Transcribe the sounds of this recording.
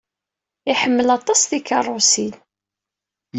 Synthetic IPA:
ɪħəmːəlɑt̪ˤːɑsðikɑrˤːosil

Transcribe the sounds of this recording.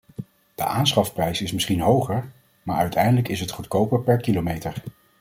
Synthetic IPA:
d̥ə̰ʔaːnsχɑfprɛjsɪsmɪsχinɦowχəɹ | maːɹœɥtʰɛjndələkɪsɦətχutkowpəɹpɛɹkilomejtəɹ

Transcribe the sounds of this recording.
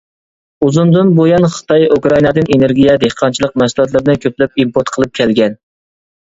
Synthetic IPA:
uzund̪ɨnbojɑnχə̥t̪ʰɑjukɾɑinɑd̪ɨneneɾɡʲijɛd̪ehqʰɑnt͡ʃʰilˠəq̚mæsulˠɑt̪̬lˠɨɾd̪ɨnkʲʰøplɛp̚impoɾt̪qʰəlˠɨp̚kʲʰɛlɡʲɛn

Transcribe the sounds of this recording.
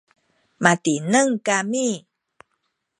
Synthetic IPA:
matinəŋkami

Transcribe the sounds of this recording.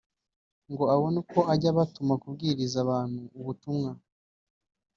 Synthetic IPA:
ŋɡo̞aβonuko̞aɟaβatumakubɡiːɾizaβaːn̥huːβutumŋa

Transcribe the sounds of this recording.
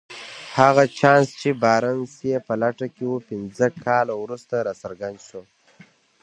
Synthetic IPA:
haɣat͡ʃɑnst͡ʃebɑːɾansijepəlaʈakewupɪnzəkʰɑlawɾust̪aɾɑsəɾɡand̪ʃo

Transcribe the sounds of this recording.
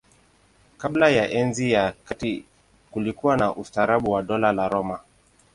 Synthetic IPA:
kaɓlajaʔɛnzijakati | kulikuwanaʔustaɾaɓuwaɗɔlalaɾɔma

